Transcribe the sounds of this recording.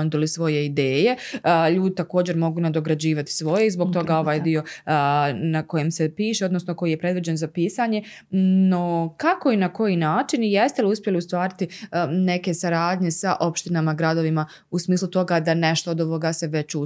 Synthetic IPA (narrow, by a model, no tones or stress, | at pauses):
nd̪olisʋo̞je̞id̪eːje̞ʎuːd̪it̪ako̞ːd͡ʑe̞ɾmo̞ɡuːnad̪o̞ɡɾad͡ʑiːʋat̪i̥sʋo̞jeizbo̞ɡ̚t̪o̞ɡao̞ʋaːjd̪io̞ | nako̞jemsepiːʃeod̪nosnoko̞jiːjepɾe̞d̪ʋid͡ʑe̞nzapiːsaːɲe̞ | nokako̞inako̞jinaːt͡ʃinije̞st̪eliuspʲje̞liust̪ʋaːɾit̪ine̞ke̞saɾaːd̪ɲe̞saʔo̞pʃt̪inamaɡɾad̪o̞ʋima | usmiːslˠut̪o̞ɡad̪ane̞ʃt̪oːd̪oʋo̞ɡase̞ʋe̞t͡ɕu